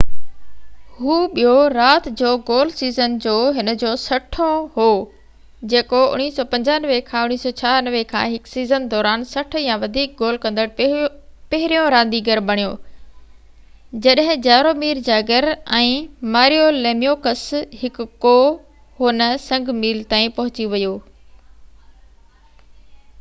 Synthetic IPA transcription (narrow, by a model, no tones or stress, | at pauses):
hɦuːɓijoɾaːt̪d͡ʑoːɡoːlsiːzənd͡ʑoːɦɪnə̆d͡ʑoːsɐʈʰõɦoː | d͡ʑeːkoʊ̰ɽ̃iːsɔːpɐ̃ɲd͡ʑaːnʋekʰãːʊñiːsɔːt͡ɕʰaːnəʋekʰã̰ːɦɪksiːzənd̪ɔːɾaːnsɐʈ̆ʰjãʋɐd̪ʱiːk̚ɡoːlkɐ̃nd̪əɽ | pɐɦɪɾijõɾãːnd̪iɡɐɾbɐɽ̃joː | d͡ʑɐɗɦɪ̃d͡ʑaːɾoːmiːɾd͡ʑaːɡəɾɛ̃ːmaːɾijoleːmijoːkəshɪkkoː | ɦʊnəsɐ̃ŋɡmiːlt̪ãːĩpɐɦʊt͡ɕiʋɐjoː